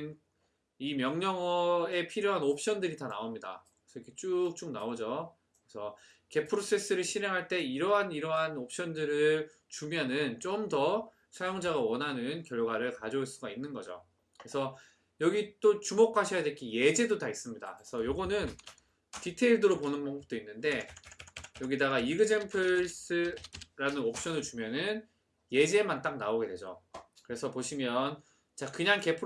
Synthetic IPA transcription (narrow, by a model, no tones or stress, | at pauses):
n | imjʌŋɲʌŋʌe̞pʰiɾjoɦanop̚ʰɕ͈ʌndɯɾitanaomɲida̰kɯesʰʌikʰet͡ɕ͈uk̚t͡ɕ͈omnaod͡ʑo | kɾesʰʌ | ke̞pʰɯɾos͈ʰe̞s͈ɯɾɯɭɕʰiɾɦe̞ŋɦaɭt͈e̞iɾʌɦaniɾʌɦanop̚ʰɕ͈ʌndɯɾɯɭ | t͡ɕumjʌnɯnt͡ɕ͈omdʌ | sʰajoŋd͡ʑaɡawʌnɦanɯnkjʌɭɡwaɾɯɭkad͡ʑʌuɭs͈uɡainːɯnɡʌd͡ʑo̰ | kɯɾesʰʌ | jʌɡit͈ot͡ɕumokʰaɕʰʌjadwekʰije̞d͡ʑedotais͈ɯmɲida̰kɯesʰʌjoɡʌnɯn | titʰe̞iɭdɯɾoponɯnbaŋɡɯp̚t͈oinːɯnde̞ | jʌɡidaɡaiɡɯd͡ʑempʰɯɭs͈ɯɾanɯnok̚ɕ͈ʌnɯɭt͡ɕumjʌnɯn | je̞d͡ʑemant͈ak̚naoɡe̞dwe̞d͡ʑo̰kɯɾe̞sʰʌpoɕʰimjʌn | t͡ɕakɯɲaŋke̞pʰ